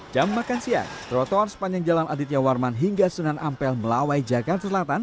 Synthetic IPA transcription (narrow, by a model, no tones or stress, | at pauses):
d͡ʒamːakansia̰kt̪ɾɔt̪ɔarsə̥paɲd͡ʒaŋd͡ʒalanʔadit̪jawarmanɦiŋɡasunanampɛlməlawajd͡ʒaɡart̪asəlat̪an